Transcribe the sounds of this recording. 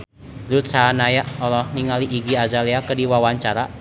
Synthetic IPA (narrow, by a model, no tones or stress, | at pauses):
lut̪̚sanajaʔɔlɔhniŋaliʔiɡiazaleakədiwawaɲt͡ʃaɾa